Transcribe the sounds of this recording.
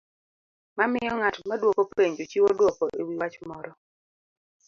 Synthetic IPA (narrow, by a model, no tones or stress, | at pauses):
mamɪjɔŋatmadwokopeɲd͡ʒot͡ʃiwodwɔkɔʔewiwat͡ʃmɔɾɔ